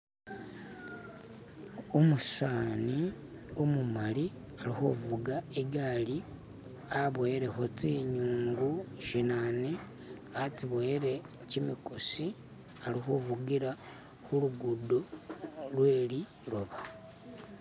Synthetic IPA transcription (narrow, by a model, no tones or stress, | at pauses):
omusaːni | omumali | alixuvuɡaeɡali | aβoeɾe̞xot͡siɲuːŋɡuʃinane | at͡siβoeɾe̞ | cimikosi | alixuvuɡiɾa | xuluɡudolwe̞ːli | ɾoβa